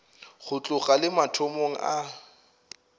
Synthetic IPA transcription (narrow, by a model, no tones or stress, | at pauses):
χʊt͡ɬʼʊχʼalɪmatʰomoŋ̩ʔa